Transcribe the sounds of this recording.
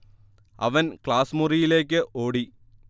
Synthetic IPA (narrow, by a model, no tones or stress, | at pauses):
ɐ̰ʋɐnkɭaːsmurijile̞ːk̬ʲːɨʔoːɽi